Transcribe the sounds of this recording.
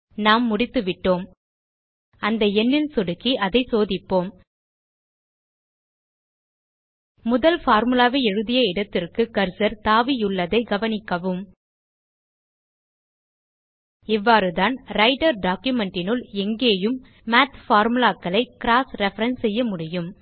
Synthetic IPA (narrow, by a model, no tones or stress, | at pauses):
naːmːʊɽɪt̪ːɯʋɪʈːoːm | ɐnd̪ɐɛnːɪlsɔɽɯkːiʔɐðɐɪsoːðɪpːoːm | mʊðɐlfaːɾmɯlaːʋeɛɻɯðɪjɐɪɽɐt̪ːɪrkɯkɐɾsɐɾt̪aːʋijʊɭːɐðɐɪɡɐʋɐnɪkːɐʋɯm | ɪʋːaːɾɯðaːnɾɐɪʈɐɾɖaːkjʊmɛɳʈɪnɯlɛŋɡeːjɯmː | aːt̪faːɾmɯlaːkːɐɭɐɪkɪɾaːsɾɛfɐɾɐnsɛjːɐmʊɽɪjɯm